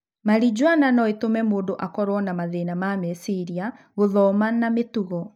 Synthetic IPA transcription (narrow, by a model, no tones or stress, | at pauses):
maɾid͡ʑwananɔetomɛmoːndoʔakɔɾwɔnamaðenamamɛsiɾia | ɣoðɔmanametuɣɔ